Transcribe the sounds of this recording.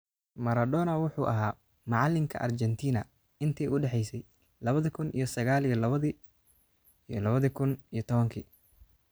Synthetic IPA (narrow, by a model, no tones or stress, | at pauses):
mɐɾɐd̪ɔːnɐwʊħuːʔɐ̰ɦaː | mɑʕɑlːɪŋkʰɐ̰ʔɐ̰rt͡ʃɛnt̪ʰiːnɐ | ɪnt̪ʰɛjʊɖɛħɛjsɛj | lɐβɐðɐkʰʊnʔḭjɞsɐɣaːlijɔlɐβɐði | lɐβɐðikʰʊnijɞt̪ʰɔβɐŋkʰiː